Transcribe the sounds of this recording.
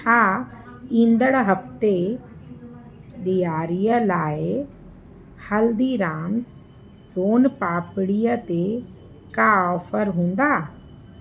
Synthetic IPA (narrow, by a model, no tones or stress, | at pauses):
aː | ĩːnd̪əɽɦɐft̪e | ɗijaːɾijəlaːɪ | hɐld̪iɾaːms | soːnpaːpɪɽijət̪e | kaɔːfəɾɦũːn̆d̪aː